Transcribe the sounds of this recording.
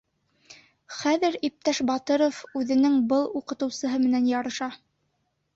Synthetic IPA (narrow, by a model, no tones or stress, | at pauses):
χæðɘɾip̚t̪æʃbɑt̪ɤɾofʉðɘ̆nɘŋbɤlˠuqɤ̆t̪ɤ̆wsɤ̆ɦɤmɘ̆nænjɑɾɤ̆ʃɑ